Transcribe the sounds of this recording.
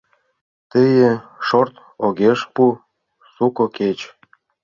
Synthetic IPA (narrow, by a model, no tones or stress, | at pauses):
t̪əjĕʃort̪ | oɣeʃpu | sukoket͡ɕ